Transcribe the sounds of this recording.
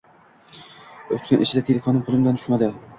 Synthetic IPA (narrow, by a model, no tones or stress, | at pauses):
ot̪kʲanʔɪʃʰɪd̪at̪ʰelʲefonɪmʰolˠɨmd̪ant̪ʰʊ̥ʃmad̪ɪ